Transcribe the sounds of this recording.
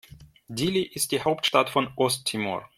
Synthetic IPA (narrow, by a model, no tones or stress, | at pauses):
diliʔɪst̚d̥iːhaʊptʃtatfɔnʔɔstʰːimɔ̰ɹ